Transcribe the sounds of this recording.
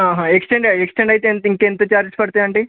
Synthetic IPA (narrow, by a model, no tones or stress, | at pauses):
ɦãːɦãːeksʈeɳɖaeksʈeɳɖɐjit̪ent̪iŋkent̪ɐt͡ʃaːɾd͡ʒspɐɽit̪aːɐɳʈi